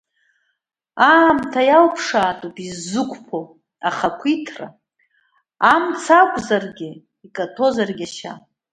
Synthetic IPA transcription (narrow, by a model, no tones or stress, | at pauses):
aːmtʰajalpʰʂaːtʼupʼizɨkʷʼpʰo | aχakʷʰitʰra̰ | amt͡sʰakʷʼzarɡʲɪ | ikʼatʰo̞zarɡʲaʃa̰